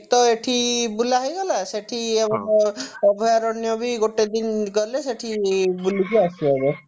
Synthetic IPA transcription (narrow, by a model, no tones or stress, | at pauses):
t̪ɔeʈʰibulaɦjɡɔlaseʈʰiebɔŋɔbʱɔjaɾɔnjɔbiɡoʈed̪inɡɔleseʈʰibulikiasiebe